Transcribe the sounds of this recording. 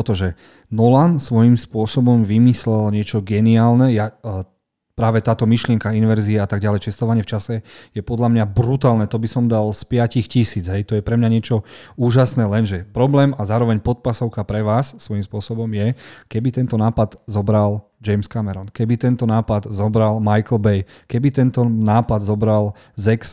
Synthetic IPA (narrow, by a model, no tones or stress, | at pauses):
ɔt̪ɔʒɛ | nɔlansʋɔjimspʊɔsɔbɔmʋimislɛlɲɪɛt͡ʃɔɡɛniaːlnɛja | pɾaːʋɛt̪aːt̪ɔmiʃlɪɛŋkainʋɛɾziɛat̪aɡɟalɛjt͡ʃɛst̪ɔʋaɲɪɛft͡ʃasɛjɛpɔd̪lamɲabɾut̪aːlnɛt̪ɔbisɔmd̪alspɪacixcisiːd͡zɦɛjt̪ɔjɛpɾɛmɲaɲɪɛt͡ʃɔuːʒasnɛːlɛnʒɛpɾɔblɛːmazaːɾɔʋɛɲpɔt̪̚pasɔʊkapɾɛʋaːsːʋɔjimspʊɔsɔbɔmjɛkɛbit̪ɛnt̪ɔnaːpad̪zɔbɾal | d͡ʒɛjmskamɛɾɔnkɛbit̪ɛnt̪ɔnaːpad̪zɔbɾalmajkl̩bɛj | kɛbit̪ɛnt̪ɔnaːpad̪zɔbɾal | zɛks